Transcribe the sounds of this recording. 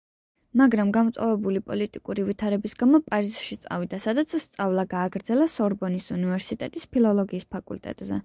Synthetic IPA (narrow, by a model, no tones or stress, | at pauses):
maɡɾamɡamɔt̪sʼɔvɛbulipʼɔlit̪ʼikʼuɾivit̪ʰaɾɛbisɡamɔpʼaɾizʃit̪sʼa̰vid̪asad̪at̪sʰst̪sʼavlˠaɡaːɡɾd̪zɛlasɔɾbɔnisunivɛɾsit̪ʼɛt̪ʼispʰilˠɔlˠɔɡiːspʰakʼṵlt̪ʼɛ̰t̪ʼzɛ